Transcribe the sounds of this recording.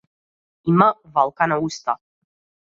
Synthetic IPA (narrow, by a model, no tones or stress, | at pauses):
imavalˠkanaust̪a